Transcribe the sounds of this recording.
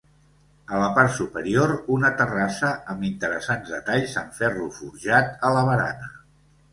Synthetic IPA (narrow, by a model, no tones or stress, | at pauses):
ələpaɾt̪supəɾioɾunət̪ərasəəmbint̪əɾəsanzðət̪aʎsəaɱfɛrufuɾʒat̪ələβəɾa̰nə